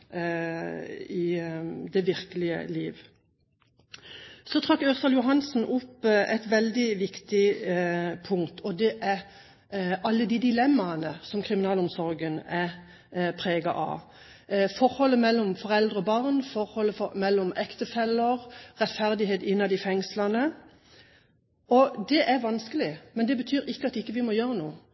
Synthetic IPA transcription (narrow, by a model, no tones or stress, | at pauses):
ɪd̪ɛʋɪʁkəlɪə̰liːʋ | sɔt̪ʰʁɑkːøsɑljʊɦɑnsn̩ʔʊpːɛt̪ʋɛld̪ɪʋɪkt̪ɪ | pʰʊŋt̪ʰɔd̪ɛʔæɾ | ɑlːəd̪ɪd̪ɪlɛmːɑnəsɔmkʰʁɪmɪnɑːlʊmsɔɾɡənæ | pʰɾeːɡɑ̰ʔɑ̰ | fɔɾhɔlːəmɛlːɔmfɔʁɛld̪ʁəɔbɑʁnfɔɾhɔlːəfɔmɛlːɔmɛkt̪əfɛlːəʁʁɛt̪fæʁd̪ɪɦeːt̪ɪnːɑd̪ɪfɛŋslɑnə | ɔd̪ɛʔæɾʋɑnskəlɪmɛnd̪ɛbət̪ʰyːɾɪkːəɑt̪ɪkːəʋɪmɔjøːɾənṵːə